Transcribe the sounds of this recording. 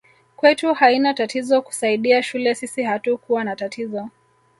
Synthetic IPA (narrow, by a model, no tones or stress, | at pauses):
kwɛtuhainatatizɔku̥saiɗiaʃulɛsisihatukuwanatatʰizɔ